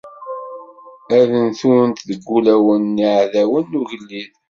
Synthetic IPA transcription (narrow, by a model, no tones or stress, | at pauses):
æðənθuɾənt̪ðəɡʷːulæwənːiʕðæwənːuʝəlːið